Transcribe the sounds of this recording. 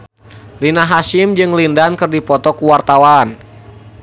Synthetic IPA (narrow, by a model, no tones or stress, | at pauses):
rinaɦasimd͡ʒɨŋlindankɨrdipɔt̪ɔkuwart̪awan